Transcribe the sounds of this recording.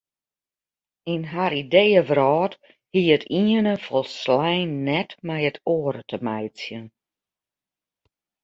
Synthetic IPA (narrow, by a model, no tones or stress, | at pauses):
inɦaɾidejəvrɔːt | hiətʰiənəfɔlˠslɛjnːɛtmɛjətʰoːəɾətʰəmɛjsjən